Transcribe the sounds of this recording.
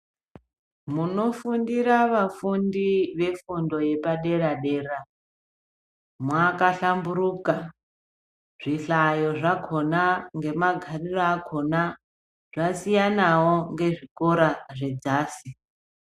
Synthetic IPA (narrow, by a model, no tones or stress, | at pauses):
muno̞fundiɾaʋafundiʋe̞fundo̞je̞paɗe̞ɾaɗe̞ːra | mwakaɬambuɾuːka | ʐ̥iɬajo̞ʐakʰo̞naŋɡe̞maɡʱariraakʰo̞na | ʐ̥asijanawoŋɡe̞ʐiko̞ɾaʐe̞d͡zaːsi